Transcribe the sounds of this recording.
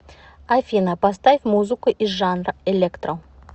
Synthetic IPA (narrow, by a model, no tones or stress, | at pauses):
afʲinapast̪aɪfʲmuzɨkəʔiʐanrelʲekt̪ro